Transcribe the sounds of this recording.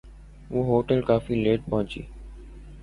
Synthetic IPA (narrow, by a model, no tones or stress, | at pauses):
uːɦoːʈəlkaːfiːleːʈ̚pəɦʊ̃t͡ʃḭː